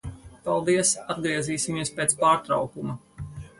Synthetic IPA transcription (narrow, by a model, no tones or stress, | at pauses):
palˠd̪iɛsad̪ɡɾiɛziːsimiɛspeːt̪spaːɾt̪ɾa̰wkumɐ